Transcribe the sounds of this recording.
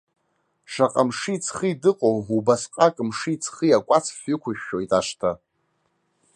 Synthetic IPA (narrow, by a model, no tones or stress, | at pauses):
ʂaqʼamʂit͡sʰχiidɨqʼowubasqʼakʼɨmʂiit͡sʰχijakʷʼat͡sʰfɨkʷʰʊʃᶣːojtʼaʂtʰa